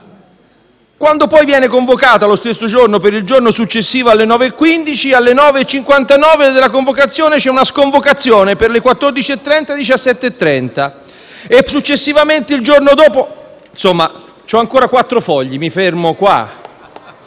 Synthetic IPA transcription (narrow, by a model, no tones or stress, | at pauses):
kwand̪opɔjvjɛːnekoɱvokaːt̪alost̪esːod͡ʒornopeɾild͡ʒornosut͡ʃːesːiːvoalːenɔːveːkːwind̪it͡ʃialːenɔːveːt͡ʃːiŋkwant̪anɔːved̪ɪlːakoɱvokat̪sːjɔːnet͡ʃɛunaskoɱvokat̪sːjoːneperlekwat̪ːord̪it͡ʃiet̪ːɾɛnt̪ad̪it͡ʃasːɛt̪ːeːt̪ːɾɛnt̪a | esut͡ʃːesːivament̪eild͡ʒornod̪ɔːponsomːa | t͡ʃɔaŋkoːɾakwat̪ːɾofɔʎːimifermokwa̰